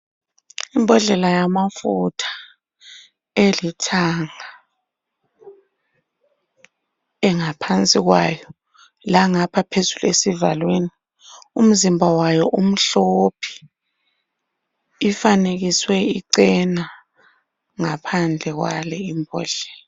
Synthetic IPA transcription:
imbʱɔɮɛlajamafutʰḁ | elitʰaŋa | ɛŋapʰant͡sʼiɣwaːjɔ | laŋapʰapʰezulesivalweni | um̩zimbʱawajɔʔum̩ɬopʰi̥ | faneɣiswɛiǀɛna | ŋapʰand͡ɮʱɛɣwa̰lɛimbʱɔ̰ːɮɛla

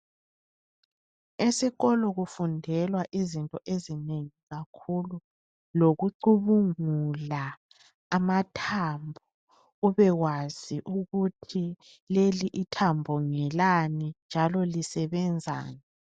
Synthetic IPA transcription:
esiɣɔlɔɣufundʱɛlwaʔizintʼɔʔezineŋiɣakʰulu | loɣuǀuβuŋulaː | matʰambʱɔ | uβɛɣwaz̥iʔuɣutʰi | leliʔitʰambʱɔŋɛlanind͡ʒʱalɔlisɛβɛnd͡zʱa̰ːnɛ

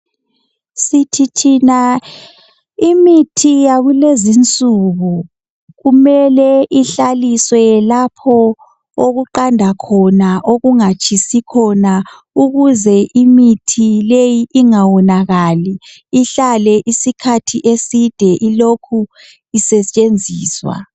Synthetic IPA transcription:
sitʰitʰina | imitʰijaɣulezint͡sʼuɣu | ɣumɛlɛʔiɬaliswɛlapʰɔ | oɣuǃandʱakʰɔnaʔoɣuŋat͡ʃʰʼisikʰɔna | uɣuzɛʔimitʰilejiʔːŋawɔnaɣaliː | ɬalɛʔisikʰatʰiʔesid̥ʱɛʔilokʰu | isɛt͡ʃʼend͡zʱiːswa̰

